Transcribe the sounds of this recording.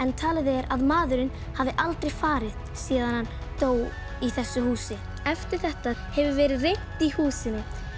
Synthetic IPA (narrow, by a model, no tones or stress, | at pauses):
ɛnt̪ʰaːlɪðɛɾaðmaːðʏɾɪn | havðɪʔalt̪ɾejfaːɾɪð | siːðanhanːt̪oːw | iθɛsːʏɦuːsɪ | ɛft̪ɪɾ̥θɛht̪ahɛvʏvɛːɾɪðrejht̪ihuːsɪnːɪ